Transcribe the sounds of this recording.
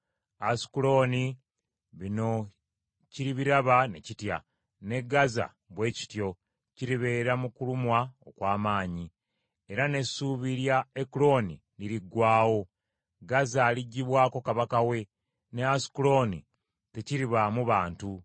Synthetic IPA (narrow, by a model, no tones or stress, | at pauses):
asi̥kulo̞ni | βino̞ | ciɾiβiɾaβane̞citja̰ | ne̞ɡaza̰ | βwe̞ːci̥tjo̞ | ciɾiβe̞ːɾamukulumwaokwaːmaːɲi | e̞ɾane̞suːβiɾjaekulo̞nḭliɾiɡwaːwo̞ | ɡazaːliɟːiβwaːko̞kaβakawe̞ | ne̞asi̥kulo̞nḭ | te̞ciɾiβamuβaːntu